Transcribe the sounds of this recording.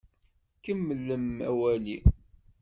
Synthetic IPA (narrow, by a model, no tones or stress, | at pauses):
kəmːəlːəmæwæli